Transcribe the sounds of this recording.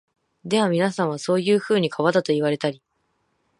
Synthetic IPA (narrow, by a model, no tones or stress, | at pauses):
d̪e̞βamʲinasãɰ̃β̞aso̞ːjɯːɸɯ̟ːɲ̟ikʰaβad̪at̪o̞iβaɾe̞t̪aɾʲi